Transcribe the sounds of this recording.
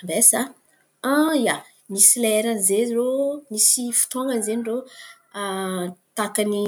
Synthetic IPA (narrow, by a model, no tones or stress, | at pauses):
resa | ãja | misilɛɾəzeromisifu̥t̪oŋɡənzeniro | at̪akani